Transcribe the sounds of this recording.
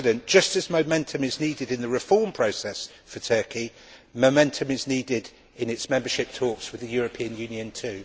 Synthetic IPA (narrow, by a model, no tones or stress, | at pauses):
də̃nd̥ʒ̥ʌstəzməʊmɛ̃ntʰə̃mɪzniːdɪdɪ̃nðəɹɪfɔːmpʰɹ̥əʊsɛs | fətʰɜˑki | məʊmɛ̃ntʰə̃mɪzniːdɪd | ɪ̃nɪtsmɛ̃mbəʃɪp̚tʰɔˑkswɪðəjɔːɹəpʰĩə̃njʉ̃ːnjə̃ntʰʉː